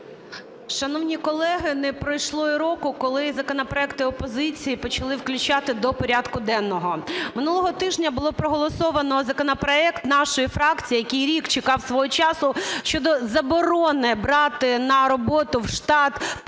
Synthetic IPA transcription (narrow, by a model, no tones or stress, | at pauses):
ʃɐnɔwnʲikɔlˠɛɦɪnɛpɾɔjʃlˠɔjiɾɔkʊkɔlˠɪzɐkɔnɔpɾɔɛkt̪ɪɔpɔzɪt͡sʲijipɔt͡ʃɐlˠɪwklʲʊt͡ʃɑt̪ɪd̪ɔpɔɾʲad̪kʊd̪ɛnːɔɦɔmɪnulˠɔɦɔt̪ɪʒnʲɐbʊlˠɔpɾɔɦɔlˠɔsɔʋɐnɔzɐkɔnɔpɾɔɛkt̪nɑʃɔjifɾɑkt͡sʲijːjɐkʲijɾʲikt͡ʃɪkɑwsʋɔɦɔt͡ʃɑsʊʃt͡ʃɔd̪ɔzɐbɔɾɔnɪbɾɑt̪ɪnɐɾɔbɔt̪ʊwʃt̪ɑt̪